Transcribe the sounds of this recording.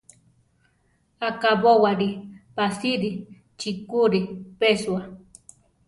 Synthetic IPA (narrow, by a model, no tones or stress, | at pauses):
akabowaɾipasiɾi | t͡ʃikuɾipeswa